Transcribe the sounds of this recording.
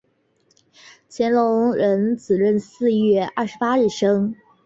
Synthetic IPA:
t͡ɕʰjɛ˧˥nlʊ˧˥ŋɻə˧˥nt͡sɹ̩˨˩ɻə˥˧nsɹ̩˥˧ɥɛ˥˧ɐ˥˩ʂɻ̩˧˥pa˥ɻɻ̩˥˩ʂɤ˥ŋ

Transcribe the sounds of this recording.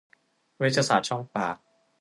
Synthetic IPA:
wi˦˥t̪̚ʰːaː˧saː˨˩t̪̚t͡ɕʰɔ˥˩ŋpa̰ː˨˩k̚

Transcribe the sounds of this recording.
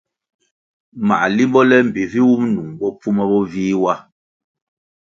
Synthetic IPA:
ma̰˨ʔli˦mbɔ˦lɛ˦m̩˨bi˨vi˦wu˦mnu˨ŋbɔ˦p͡fu˦mɛ˦bɔ˦viː˦wa˦

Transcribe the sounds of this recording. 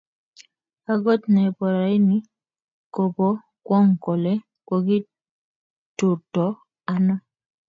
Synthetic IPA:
a˦ɡɔ˦t̪nɛ˨pɔ˨ɾa˨ɪ˦nɪ˦ | ko˨bɔ˦ | kwɔ˦ŋkɔ˨lɛ˦ | kwɔ˨ɡi˦ | tʊ˨tɔ˨ | a˦nɔ˦

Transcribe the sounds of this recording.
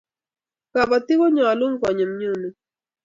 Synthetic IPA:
ka˨ba˨tɪ˦ko˦ɲɔ˨lu˦ŋkɔ˨ɲe˨mɲo˦nu˨

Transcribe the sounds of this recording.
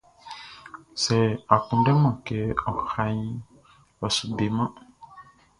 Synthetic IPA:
sɛ˨a˨kũ˨ɖɛ˦mã˨kɛ˨ɔ˨xa˨ɲĩ˦ | ɔ˨su˨be˨mã˦

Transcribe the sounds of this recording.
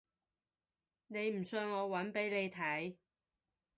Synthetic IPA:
ne˨˧jm̩˨˩sœː˧ŋɔː˨˧wɐ˨˥npe˨˥jle˨˧jt̪ʰɐ˨˥j

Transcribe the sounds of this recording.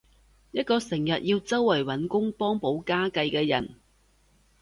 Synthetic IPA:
jɐ˥t̚kɔː˧sɪ˨˩ŋjɐ˨t̚jiː˧wt͡sɐ˥wːɐ˨˩jwɐ˨˥nkʊ˥ŋpɔː˥ŋpo˨˥wkaː˥kɐ˧jkɛː˧jɐ˨˩n

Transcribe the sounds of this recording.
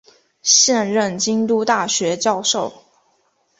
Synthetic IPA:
ɕjɛ˥˧nɻə˥˩nt͡ɕi˥ŋt̪u˥t̪a˥˩ɕɥɛ˧˥t͡ɕjɑ˥˧ʊʂo˥˩ʊ

